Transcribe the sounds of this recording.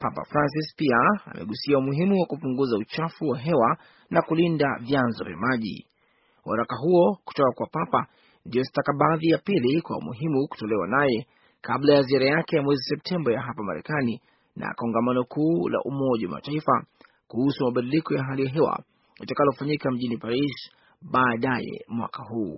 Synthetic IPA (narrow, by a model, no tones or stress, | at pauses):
papa̰fɾans̬ispiaa̰mʔɛ̰ɠusiaumuɦimuwakupuŋɡuzaut͡ʃafuwaɦɛwa | nakulindavjanzɔ̰vja̰maʄḭ | wʔaɾakaɦuɔku̥tɔkakwapapa | ndiɔsi̥takaɓaːðijapilikwa̰ṵmṵɦimuku̥tɔlɛwa̰najɛ | kʰablajaziaɾajakɛjamwɛzisɛp̚tʰɛmbajaɦapama̰ɾɛ̰kani | na̰kɔŋɡamanɔkuːla̰ʔumɔʄawa̰ma̰taifa | kuhusumaɓaɗilikɔjaɦalijaɦɛwa̰ | watakalɔfaɲikam̩ʄinipaɾis | ɓaːɗajɛ̰mwa̰kaɦuː